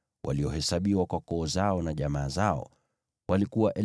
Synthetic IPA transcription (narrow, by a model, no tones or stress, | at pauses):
wʔa̰liɔhɛsaɓiwakwakɔːzaɔnaʄamaːzaɔ̰ | walikuwaʔɛ